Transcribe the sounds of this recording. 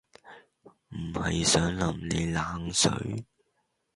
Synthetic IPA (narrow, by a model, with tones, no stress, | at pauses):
m̩˨˩hɐ˨jsœː˨˥ŋlɐ˨˩mne˨˧jlaː˨˥ŋsɵ̰˨˧˨ɥ